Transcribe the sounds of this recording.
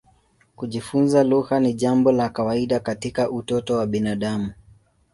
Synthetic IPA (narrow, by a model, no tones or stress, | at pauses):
kuʄifunzaluhaniʄambɔlakawaiɗakatikaʔutɔtɔwaɓinaɗamu